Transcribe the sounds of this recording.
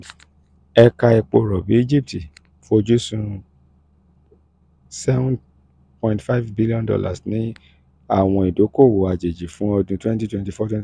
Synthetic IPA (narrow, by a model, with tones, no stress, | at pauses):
ɛ˧ka˧ɛ˧k͡po˧˨ɾɔ˨bi˨˦i˦d͡ʒi˦p̚ti˨ | fo˧d͡ʒu˦sũ˧ | sɛ˦vũ˦n | pɔ̃˧˨ĩntfa˦jvbi˦li˦ɔ̃˦ndɔ̰˦la̰˨snĩ˦ | a˦˨w̃ɔ̃˧i˨do˨˦ko˦˨wo˨a˨d͡ʒe˨d͡ʒi˨fũ˨˦ɔ˧dũ˧twɛ̃˦nti˦twɛ̃˧nti˧fɔ˦twɛ̃˦